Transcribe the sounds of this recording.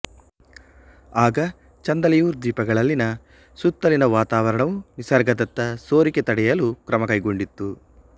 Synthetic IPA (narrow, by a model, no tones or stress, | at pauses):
aːɡɐ | t͡ʃɐnd̪ɐlijuːɾd̪iːpɐɡɐɭɐlːinɐ | sut̪ːɐlinɐʋaːt̪aːʋɐɾɐɳɐʋunisɐɾɡɐd̪ɐt̪ːɐso̞ːɾiket̪ɐɽɛjɐlukɾɐmɐkɐjɡo̞ɳɖit̪ːu